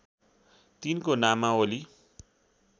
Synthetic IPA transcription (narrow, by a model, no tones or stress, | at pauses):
t̪inkonamːaoli